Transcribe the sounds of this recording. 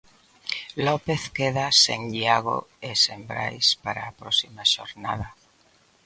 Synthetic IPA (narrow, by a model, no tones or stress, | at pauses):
lɔpeθkeðasḛŋdiaɣo̰esembɾa̰jspaɾaːpɾɔsimaʃo̰ɾnað̞a